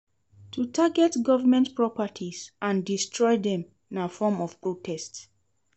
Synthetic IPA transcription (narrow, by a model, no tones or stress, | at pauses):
tʰutʰaɡɛtɡɔvəmɛ̃ntpɹɔpətʰiz̥ʔãndistʰɹɔɪðɛ̃m | ĩnafɔmɔv̥pɹotʰɛsts